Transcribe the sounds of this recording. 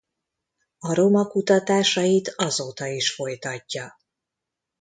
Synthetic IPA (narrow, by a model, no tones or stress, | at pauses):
ɒɾo̞mɒkut̪ɒt̪aːʃɒjit̪ɒzoːt̪ɒiʃfo̞jt̪ɒcːɒ